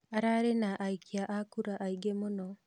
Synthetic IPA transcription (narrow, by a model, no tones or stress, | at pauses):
aɾaɾenaʔaikʰiaʔakuɾaʔaiɡemono